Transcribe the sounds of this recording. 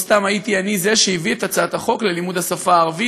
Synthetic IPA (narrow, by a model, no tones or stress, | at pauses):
st̪amait̪ianize̞ʃeiviet̪at͡saat̪aχo̞kle̞limud̪hasafaːʁvi